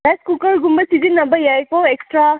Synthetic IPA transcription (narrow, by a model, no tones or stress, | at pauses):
bajskukɐɾɡumbɐsizinːɐbɐjajkoeksʈɾa